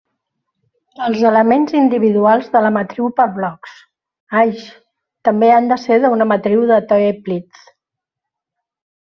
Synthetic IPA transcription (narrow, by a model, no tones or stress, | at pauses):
əlˠzələmenzind̪iβ̞iðualˠzðələmət̪ɾiwpəɾβlɔks | ajʃ | t̪əmbeand̪əseɾðəunəmət̪ɾiwðət̪ɔeplit͡s